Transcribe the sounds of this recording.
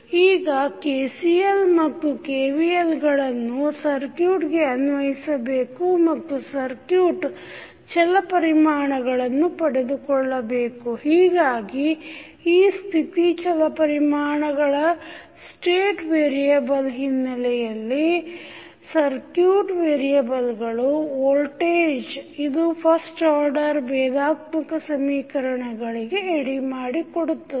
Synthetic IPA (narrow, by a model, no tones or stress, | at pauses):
iːɡɐkeːsijelmɐt̪ːukeːʋielɡɐɭɐnːusɐɾkjuːʈɡe̞ɐnʋɐɦisɐbe̞ːkumɐt̪ːusɐɾkjuːʈ | t͡ʃɛlɐpɐɾimaːɳɐɡɐɭɐnːupɐɽed̪ukɔɭːɐbe̞ːkuhiːɡaːɡi | iːst̪ʰit̪it͡ʃɛlɐpɐɾimaːɳɐɡɐɭɐ | sʈeːʈʋeːɾijɐbɐlɦinːɐlɛjɐlːi | sɐɾkjuːʈʋeːɾijɐbɐlɡɐɭuoːlʈeːd͡ʒid̪upʰɐsʈaːɾɖɐɾbɛːd̪aːt̪̚mɐkɐsɐmiːkɐɾɐɳɐɡɐɭiɡe̞ːɽimaːɽikoɽut̪ːu